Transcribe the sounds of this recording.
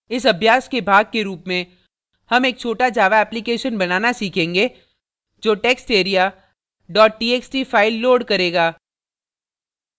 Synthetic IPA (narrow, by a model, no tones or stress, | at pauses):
ɪs̬ɐbʱjaːskebʱaːɡ̚keɾuːpmẽ | hɐmeːk̚t͡ʃʰoːʈad͡ʒaːʋaɛːplikeːʃənbɐnaːnasiːkʰẽːŋɡe | d͡ʒoːʈɛːksʈeːɾija | ɖɔːʈ̚ːiːeːksʈiːfaːɪlːoːɖkɐɾeːɡaː